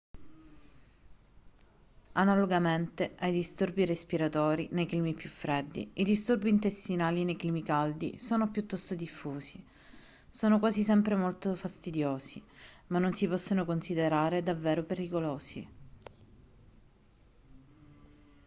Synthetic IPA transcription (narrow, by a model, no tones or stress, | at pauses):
analoɡament̪eʔajd̪ist̪urbirespiɾat̪ɔːɾinejkliːmipjufːɾed̪ːḭid̪ist̪urbiːnt̪est̪inaːlinejkliːmikald̪ḭsoːnopjut̪ːɔst̪od̪ifːuːsi | soːnokwaːsisɛmpɾemolt̪ofast̪id̪joːsimanːonsipɔsːonokonsid̪eɾaːɾed̪avːeːɾopeɾikoloːsḭ